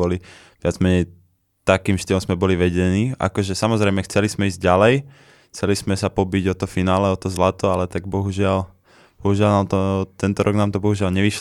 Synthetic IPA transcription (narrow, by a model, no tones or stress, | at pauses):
ɔli | ʋɪad͡zmɛɲɛj | t̪akiːmʃt̪iːlɔmzmɛbɔliʋɛɟɛniːa̰kɔʒɛsamɔzɾɛɪjmɛxt͡sɛlizmɛiːzɟɟalɛj | xt͡sɛlismɛsapɔbiɟɔt̪ɔfinaːlɛɔt̪ɔzlat̪ɔalɛt̪aɡ̚bɔɦuʒɪal | b̥ɔɦuʒɪalnaːmt̪ɔt̪ɛnt̪ɔɾɔɡnaːmt̪ɔbɔɦuʒɪalɲɛʋiʃ